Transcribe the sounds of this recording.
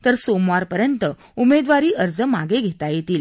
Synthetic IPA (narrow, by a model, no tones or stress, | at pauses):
t̪əɾsomʋaɾpəɾjənt̪ə | umed̪ʋaɾiːʔəɾd͡zəmaɡeɡʱet̪ajet̪iːl